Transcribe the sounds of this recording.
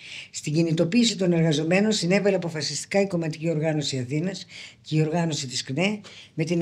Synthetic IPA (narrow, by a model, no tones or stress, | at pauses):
st̪iɟinit̪o̞piːsit̪o̞ne̞ɾɣɐzo̞me̞no̞nsine̞vɐleɐpo̞fɐsist̪i̥kɐiko̞mɐt̪icio̞ɾɣɐno̞siɐθinɐsce̞io̞ɾɣɐno̞sit̪iskne̞me̞t̪in